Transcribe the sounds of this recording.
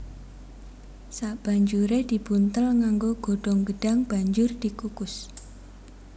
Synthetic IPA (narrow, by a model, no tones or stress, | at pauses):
saʔb̥aɲd͡ʒuɾed̪̥i̤b̥unt̪əlŋaŋɡoɡ̥oɖ̥ɔŋɡəɖ̥aŋb̥a̤ɲd͡ʒʊrd̪̥i̤kukʊs